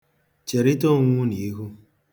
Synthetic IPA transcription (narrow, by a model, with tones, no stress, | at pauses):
t͡ʃe˨ɾi˦to˦ŋu˦ni˨˦ku˦